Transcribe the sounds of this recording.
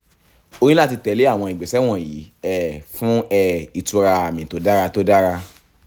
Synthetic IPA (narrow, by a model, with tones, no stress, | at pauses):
o˧ɾ̃ĩ˦la˦˨ti˧tɛ˨˧˦le˨˦a˦˨w̃ɔ̃˧i˨ɡ͡bɛ˨sɛ˨˦w̃ɔ̃˦˨ji˨˦ɛ˦˨fũ˦ɛ˦˨i˨tu˨˧ɾa˧a˨mĩ˨to˨˦da˦ɾa˧to˦da˦ɾa˧